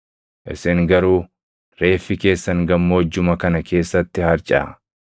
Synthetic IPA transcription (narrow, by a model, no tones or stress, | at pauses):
ʔɪ̰sɪŋɡɐɾuː | ɾe̞ːfːɪke̞ːsːɐŋɡɐmːoːd͡ʒːʊmɐkɐnɐkʰe̞ːsːɐt̪ːɪhɐɾt͡ʃʼɐ̰